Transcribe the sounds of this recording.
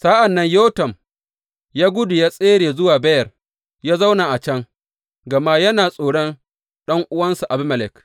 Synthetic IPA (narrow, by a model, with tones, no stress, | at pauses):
saː˦ʔa˨nːɐ˦ɲjoː˦tɐ˨m | jaː˦ɡʷʊ˦dʊ˨jaː˦sʼeː˦ɽeː˨zʊ˦waː˨bɐ˦jɐ˨r | jaː˦za˦wna˨ʔa˨t͡ʃɐ˦ŋ | ɡɐ˨ma˦jɐ˦naː˨sʼoː˨ɽɔ˦n | ɗɐ˦ŋʔʊ˦wɐ˦nsu˨ʔa˨bɪ˦mɐ˨lɛ˨k